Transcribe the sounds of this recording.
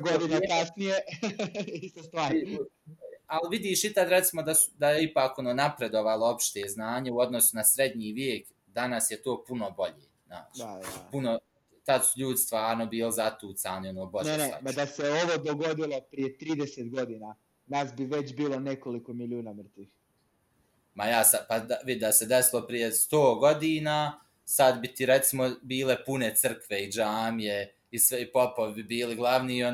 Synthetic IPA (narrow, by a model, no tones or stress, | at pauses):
ɡod̪inkasnije | ist̪ost̪ʋaːɾ | alʋid̪iːʃit̪ad̪ɾet̪simo̞d̪asu̥d̪ajeipaːko̞noːnapɾe̞d̪oʋalˠoopʃt̪eːznaːɲeuo̞d̪nosunasɾe̞d̪ɲiːʋjeːk | d̪anasjet̪o̞ːpunobo̞ʎeːna̰ːt͡ʃapuno | t̪ad̪suʎuːd̪ist̪ʋaːɾnobiːlizat̪uːt̪saːnionoːbonenea̰mad̪aseoʋod̪oɡo̞d̪ilˠo̞pɾijet̪ɾiːd̪eset̪ɡo̞d̪ina | naːsbiʋet͡ɕbiːlonekolikomiljuːnamr̩t̪iːx | majaːsad̪pad̪aʋid̪d̪ased̪esilˠo̞pɾije̞st̪oːɡo̞d̪iːnaː | sad̪bit̪iɾet̪simobiːle̞pune̞t̪sr̩kʋe̞id͡ʒaːmje̞ | isʋeipo̞poʋibibiːliɡlˠaʋniːon